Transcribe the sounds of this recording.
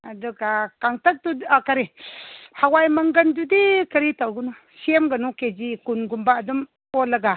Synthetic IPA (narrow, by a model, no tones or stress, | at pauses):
adəkakaŋtak̚tuakaɾihawajmaŋɡandudikəɾitaɡuna | ʃemɡanuked͡ʒikunɡumbadum | olaɡa